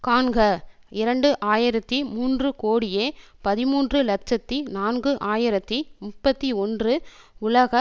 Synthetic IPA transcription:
kaːnɡɐ | ɪɾɐɳɖɯʔaːjɪɾɐt̪ːimuːndrɯkoːɽɪjeːpɐðɪmuːndrɯlɐt͡ʃɐt̪ːinaːnɡɯʔaːjɪɾɐt̪ːimʊpːɐt̪ːiɔndrɯ | ʊlɐɣɐ

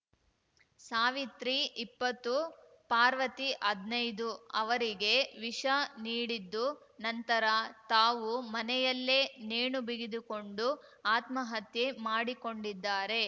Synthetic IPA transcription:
saːʋit̪ɾiipːɐt̪ːu | paːɾʋɐt̪iʔɐd̪nɐjd̪uɐʋɐɾiɡe̞ʋiʂɐniːɽid̪ːu | nɐnt̪ɐɾɐt̪aːʋumɐnɛjɐlːe̞ːneːɳubiɡid̪uko̞ɳɖu | aːt̪mɐɦɐt̪jemaːɽiko̞ɳɖid̪ːaːɾe̞

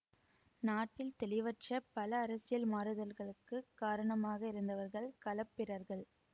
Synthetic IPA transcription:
naːʈːɪlt̪ɛlɪʋɐʈt͡ʃɐpɐlɐːɾɐsɪjɐlmaːɾɯðɐlɣɐɭɯkːɯkːaːɾɐɳɐmaːɣɐɪɾɯnd̪ɐʋɐɾɣɐɭkɐlɐpːɪɾɐɾɣɐɭ

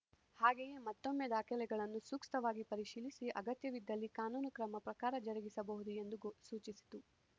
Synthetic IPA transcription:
haːɡejeːmɐt̪ːo̞mːed̪aːkʰɛlɛɡɐɭɐnːusuːkst̪ɐʋaːɡipɐɾiʃiːlisiʔɐɡɐt̪jɐʋid̪ːɐlːikaːnuːnukɾɐmɐpɾɐkaːɾɐd͡ʒɐɾɐɡisɐbɐɦud̪ue̞nd̪usuːt͡ʃisi̥t̪u

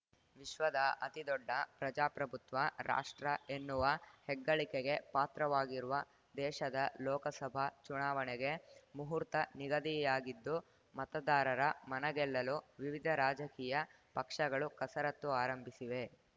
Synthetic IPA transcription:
ʋiʃʋɐd̪ɐɐt̪id̪ɔɖːɐpɾɐd͡ʒaːpɾɐbʱut̪ʋɐɾʔa̰ːʂʈɾɐenːuʋɐhɛɡːɐɭikeɡe̞paːt̪ɾɐʋaːɡiɾuʋɐ | d̪ɛːʃɐd̪ɐlɔːkɐsɐbʱɐt͡ʃunaːʋɐnɛɡe̞muɦuɾt̪ɐniɡɐd̪ijaːɡid̪ːu | mɐt̪ɐd̪aːɾɐɾɐmɐnɐɡɛlːɐluʋiʋid̪ʱɐɾaːd͡ʒɐkiːjɐ | pɐkʂɐɡɐɭukɐsɐɾɐt̪ːuaːɾɐmbʱisiʋe̞

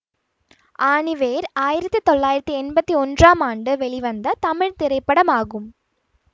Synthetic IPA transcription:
ʔaːɳɪʋeːɾaːjɪɾɐt̪ːit̪ɔɭːaːjɪɾɐt̪ːiɛnbɐt̪ːiɔndraːmaːɳɖɯʋɛɭɪʋɐnd̪ɐt̪ɐmɪɻt̪ɪɾɐɪpːɐɽɐmaːɣɯm

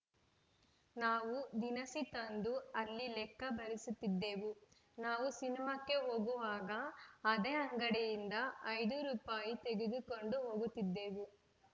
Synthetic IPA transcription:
naːʋud̪inɐsit̪ɐnd̪uɐlːilɛkːɐbʱɐɾisut̪ːid̪ːe̞ːʋu | naːʋusinimɐkːe̞ɦoːɡuʋaːɡɐːd̪eːɐŋɡɐɽɛjind̪ɐɐjd̪uɾuːpaːjit̪e̞ɡeɡ̪iko̞ɳɖuɦoːɡut̪ːid̪ːe̞ːʋu

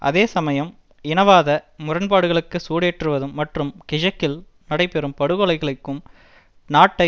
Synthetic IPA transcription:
ʔɐ̰ðeːsɐmɐjɐm | ɪnɐʋaːðɐmʊrɐnpaːɽɯɣɐɭɯkːɯsuːɽeːʈrɯʋɐðɯmːɐʈrɯmkɪd͡ʒɐkːɪl | nɐɽɐɪpɛɾɯmpɐɽɯɣɔɭɐɪɣɐɭɯkːɯm | naːʈːɐɪ

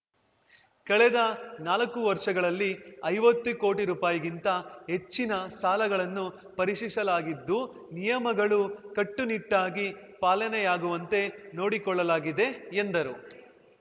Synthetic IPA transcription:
kɐɭɛd̪ɐnaːlɐkːuʋɐɾʂɐɡɐɭɐlːiɐjʋɐt̪ːuko̞ːʈiɾuːpaːjiɡint̪ɐɦe̞t͡ʃːinɐsaːlɐɡɐɭɐnːu | pɐɾiʂisɐlaːɡid̪ːu | nijɐmɐɡɐɭukɐʈːuniʈːaːɡipaːlɐnɛjaːɡuʋɐnt̪e̞no̞ːɽikɔɭːɐlaːɡid̪e̞ːnd̪ɐɾu

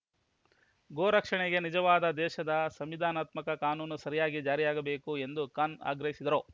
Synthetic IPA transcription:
ɡoːɾɐkʂɐɳeɡe̞nid͡ʒɐʋaːd̪ɐd̪ɛːʃɐd̪ɐsɐmʋid̪ʱaːnaːt̪mɐkɐkaːnuːnusɐɾijaːɡid͡ʒaːɾijaːɡɐbe̞ːkue̞nd̪ukaːna̰ːɡɾɐɦisid̪ɐɾo

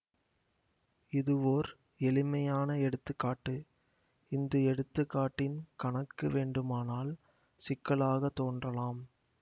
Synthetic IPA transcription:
ɪðɯʋoːɾ | ɛlɪmɐjaːnɐɛɽɯt̪ːɯkːaːʈːɯ | ɪnd̪ɐɛɽɯt̪ːɯkːaːʈːɪnkɐɳɐkːɯʋeːɳɖɯmaːnaːl | sɪkːɐɭaːɣɐt̪ːoːndrɐlaːm

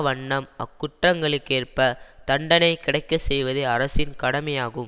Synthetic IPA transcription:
ʋɐɳːɐmɐ̰kːʊʈrɐŋɡɐɭɯkːeːrpɐt̪ɐɳɖɐnɐɪkɪɽɐɪkːɐsɛjʋɐðɯɐɾɐsɪnkɐɽɐmɐjaːɣɯm

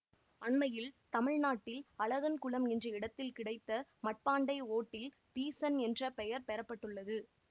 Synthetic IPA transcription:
ɐɳmɐjɪlt̪ɐmɪɻnaːʈːɪlɐɭɐɣɐnkʊɭɐmɛndrɐɪɽɐt̪ːɪlkɪɽɐɪt̪ːɐmɐʈ̚paːɳɖɐɪoːʈːɪl | t̪iːsɐnɛndrɐpɛjɐɾpɛɾɐpːɐʈːɯɭːɐðɯ

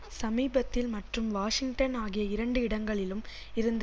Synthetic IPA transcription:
sɐmiːbɐt̪ːɪlmɐʈrɯmʋaːʂɪŋʈɐnaːɣɪjɐɪɾɐɳɖɯɪɽɐŋɡɐɭɪlɯm | ɪɾɯnd̪

